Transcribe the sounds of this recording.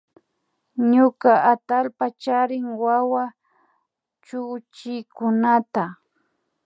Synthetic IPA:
ɲʊkaʔat̪alpat͡ʃaɾɪŋwawa | t͡ʃʊːt͡ʃɪkʊnat̪a

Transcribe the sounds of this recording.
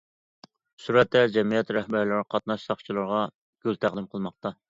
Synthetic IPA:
suɾɛt̪ːɛd͡ʒɛmijɛt̪ɾɛhbæɾlɪɾɪqʰɑt̪nɑʃsɑχt͡ʃʰilˠɨɾʁɑ | ɡ̥ʲølt̪ʰæʁd̪ɨmqʰəlˠmɑq̚t̪ɑ

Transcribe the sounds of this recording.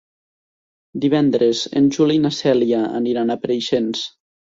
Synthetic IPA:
d̪iβ̞ɛnd̪ɾezḛnʲʒulinasɛliaə̰niɾanapəɾejʃens

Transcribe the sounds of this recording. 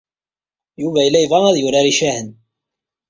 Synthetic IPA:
juvæilæjvɑæðjʊɾæɾiʃæhən

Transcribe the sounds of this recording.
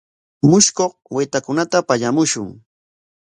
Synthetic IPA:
mʊʃkoqwɪt̪akʊnat̪apaʎamʊʃʊŋ

